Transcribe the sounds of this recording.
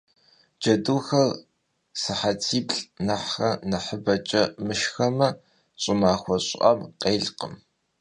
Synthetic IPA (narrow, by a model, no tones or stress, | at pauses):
d͡ʒɐduːxɐr | sɨħatʰiːpɬʼnaħxɐnɐħəbɐt͡ʃʼɐmɨʃxɐmɐ | ɕʼɪmaːxʷɔɕʼʔɐ̰mqeːɮqəm